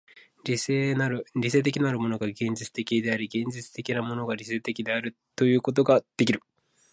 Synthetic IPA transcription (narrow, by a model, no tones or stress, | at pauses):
ɾʲisenaɾɯɾʲis̬e̞ːt̪̬e̞kʲinaɾɯ̟mo̞no̞ɡaɡẽ̞ɲ̟d͡ʑit͡sɨ̥t̪e̞kʲid̪e̞aɾʲiɡẽ̞ɲ̟d͡ʑit͡sɨ̥t̪e̞kʲinamo̞no̞ɡaɾʲise̞ːt̪e̞kʲid̪e̞aɾɯ̟ | t̪o̞jɯ̟ːko̞t̪̬o̞ɡad̪̥e̞kʲiɾɯ̟